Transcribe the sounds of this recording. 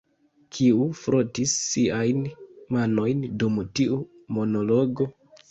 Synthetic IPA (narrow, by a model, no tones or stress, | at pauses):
kʰiufɾotisːiajnmano̞jndumtiu | mo̞no̞loɡo̞